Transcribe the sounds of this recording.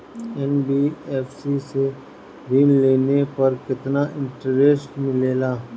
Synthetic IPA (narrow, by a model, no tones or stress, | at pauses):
ɛnbiːɛːfsise | bʱɪnleːnepɐɾkɪt̪naʔɪ̃ɳʈəɾeːsʈmɪleːlaː